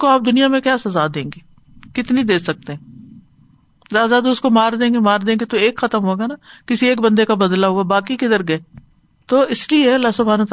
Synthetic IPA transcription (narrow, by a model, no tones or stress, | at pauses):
koaːp̚d̪ʊnijamẽkjaːsɐzad̪ẽːŋɡeː | kɪt̪nid̪eːsɐk̚t̪eɦɛ̃ː | zaːzaːd̪ʊskomaːɾd̪ẽːɡemaːɾd̪ẽːŋɡet̪oeːkxɐt̪əmɦoːɡanakɪsieːkbɐ̃nd̪ekabɐd̪laɦuabaːkikɪd̪əɾɡɐeː | t̪oːɪslieɐlːaɦsʊbʱaːnt̪